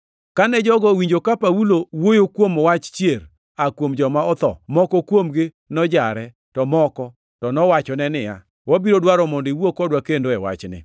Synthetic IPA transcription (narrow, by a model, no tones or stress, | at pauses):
kanɛd͡ʒɔɡɔwiɲd͡ʒokapawulowojokwomɔwat͡ʃt͡ʃjeɾ | akwomd͡ʒɔmaɔt̪ɔ̰mɔkɔkwomɡɪ | nɔd͡ʒaɾɛ | tɔmɔkɔ | tɔnɔwat͡ʃɔnɛnɪja̰ | wabiɾodwaɾɔmɔndiwokɔdwakendoɛwa̰t͡ʃnɪ̰